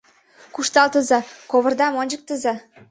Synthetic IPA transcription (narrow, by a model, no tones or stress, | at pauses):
kuʃt̪ɑlt̪əzɑkoβə̆rd̪ɑmonʲd͡ʑək̚t̪ə̆zɑ